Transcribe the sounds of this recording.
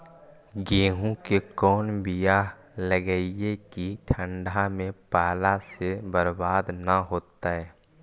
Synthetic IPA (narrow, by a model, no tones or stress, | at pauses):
ɡeːɦũkekɔːnbija | ləɡəiekiʈʰə̃ɳɖʱamẽpaːlasebəɾbaːd̪naɦoːt̪aɦɛː